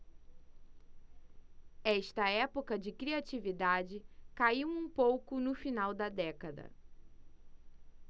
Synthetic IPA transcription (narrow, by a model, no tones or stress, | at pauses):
ɛʃt̪ɐɛpokɐd͡ʒɪkɾiat͡ʃivid̪ad͡ʒɪkaiwũpowkʊnʊfinawd̪ɐd̪ɛkɐd̪ɐ̰